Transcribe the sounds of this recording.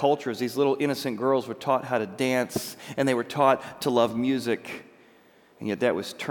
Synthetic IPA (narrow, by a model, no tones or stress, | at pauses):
ʌlˠt͡ʃə˞zðizlɪɾl̩ˠɪ̃ñɨsɨ̃nɡ̥ɜ˞lˠzwə˞tʰɔt̚ɦaʊɾɨdæ̃nsɨ̃nðeɪwə˞tʰɔtʰəlʌvmjʉzɪk | njɛt̪̚ðɨʔ̚wʌz̥tʰ